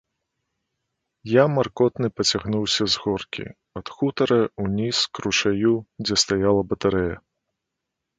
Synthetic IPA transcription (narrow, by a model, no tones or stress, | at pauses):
jamarkɔt̪nɨpɐt͡sʲaɣnuwsʲɐzɣɔrkʲḭ | ɐt̪xut̪ɐɾɐunʲiskɾuʂajud͡zʲɛst̪ajalˠɐbɐt̪aɾɛjɐ